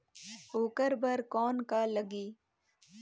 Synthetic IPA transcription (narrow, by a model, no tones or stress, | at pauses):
oːkəɾbəɾkɔːnkaːləɡiː